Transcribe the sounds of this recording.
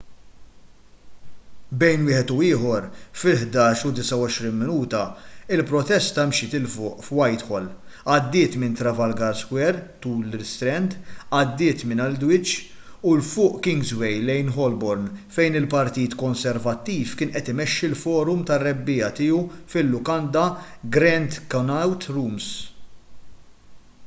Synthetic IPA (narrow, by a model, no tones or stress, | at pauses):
bɛjnwɪːħɛt̪uɪːħɔɾfɪlħd̪ɐːʃud̪ɪsɐwɔʃɾinmɪnuːt̪ɐɪlpɾɔt̪ɛst̪ɐmʃɪt̪ɪlfʊːʔfwɐjt̪ħɔlːɐd̪ːɪːt̪mɪnt̪ɾɐvɐlɡɐɾskwɛɾt̪uːlɪst̪ɾɛnt̪ɐd̪ːɪːt̪mɪnɐld̪wɪt͡ʃː | ʊlfʊːʔkɪŋɡzwɛjlɛjnɦɔlbɔɾnfɛjnɪlpɐɾt̪iːt̪kɔnsɛɾvɐt̪ːiːfkɪːnʔɛt̪ɪmɛʃːilfɔːɾʊmt̪ɐrːɛbːɪːɐt̪ɪːufɪlːʊkɐnd̪ɐɡɾɛnt̪kɐnɐwt̪ɾuːms